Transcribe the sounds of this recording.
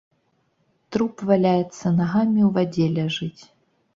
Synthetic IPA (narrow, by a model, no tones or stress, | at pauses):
t̪ɾupvɐlʲajɛt̪sɐnɐɦamʲiwvɐdʲelʲɐʐɨtʲ